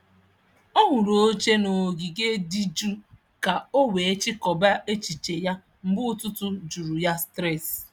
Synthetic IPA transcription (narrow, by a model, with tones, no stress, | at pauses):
ɔ˦ɦʊ˨ɾo˨˦t͡ʃe˦no˨ɡi˨ɡe˦di˦d͡ʒu˦ | ka˨o˦we˨e˦t͡ʃɪ˦kɔ˨ba˦e˦t͡ʃi˨t͡ʃe˨ja˦ | m̩˦bʊ˦tʊ˦tʊ˦d͡ʒu˨ɾu˨ja˦stɾɛ˦˨s